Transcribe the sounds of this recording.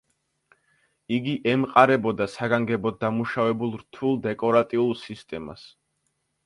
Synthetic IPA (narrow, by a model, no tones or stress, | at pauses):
iɡiʔɛmqʼaɾɛbɔd̪asaɡaŋɡɛbɔd̪amuʃavɛbulˠɾt̪ʰulˠd̪ɛkʼɔɾat̪ʼiulˠsist̪ʼɛma̰s